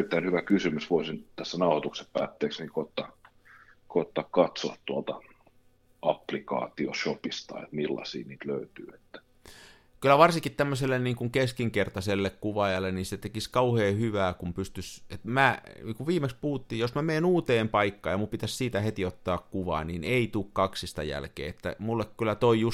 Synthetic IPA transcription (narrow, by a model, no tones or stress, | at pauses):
erit̪ːæinhyʋækysymysʋoˑisint̪æsːænɑuhɑt̪ukseppæ̰ːt̪ːeːksniŋkoˑet̪ːɑ | koet̪ːɑːkkɑt̪soɑt̪t̪uɑlt̪ɑ | ɑplikɑ̰ːt̪ioʃopist̪ɑ̰ḛt̪milːɑ̰sḭːniːt̪løyt̪y̰ːet̪ːæ̥ | kylæʋɑrsiŋkit̪t̪æmːøselːenniːŋkuŋkeskiŋkert̪ɑselːekkuʋɑjɑlːˑenniset̪ekiskɑuheːhyʋæːkumpyst̪yset̪mæniːŋkuʋʋiːmekspuhut̪ːiːjosmæmeːnuːt̪eːmpɑikːɑːjɑmumpit̪æssiːt̪æhet̪iot̪ːɑːkkuʋɑ̰ːnineit̪uːkkɑksist̪ɑ̰jæ̰lkḛːet̪ːæ̰mulːekkylːˑæt̪oijus